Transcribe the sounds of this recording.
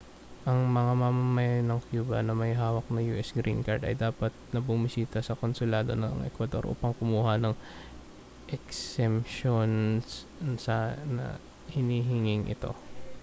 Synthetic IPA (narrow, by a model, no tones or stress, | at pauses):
ʔɐŋmɐŋamamɐmɐjanɐŋkjuːbɐ̰nɐmɐjɦaːwɐk̚nɐjuːʔɛsɡɾḭnkɐ̰ɹd̪ɐ̰jd̪aːpɐt̪̚nɐbʊmɪsiːt̪ɐsɐko̞nsʊlaːd̪o̞̰nɐŋɛ̰kwɐd̪o̞̰ɾʔṵːpɐŋkʊmuːhɐnɐŋ | ʔɛksɛmʃons | sɐnɐ̰ | hɪniːɦɪŋɪŋʔɪ̰t̪o̞̰